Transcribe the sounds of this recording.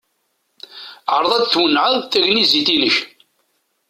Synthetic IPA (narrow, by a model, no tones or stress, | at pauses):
ʕəɾˤðˤæd̪θwənːʕəðˤθæʝnizit̪inəç